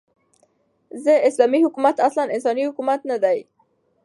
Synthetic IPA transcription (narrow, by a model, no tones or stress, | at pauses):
zəɪslɑmihʊkumat̪aslanɪnsɑnihʊkumat̪nad̪aj